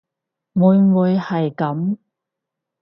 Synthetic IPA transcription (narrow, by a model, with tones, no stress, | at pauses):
wuː˨˧jwuː˨˧jhɐ˨jkɐ˨˥m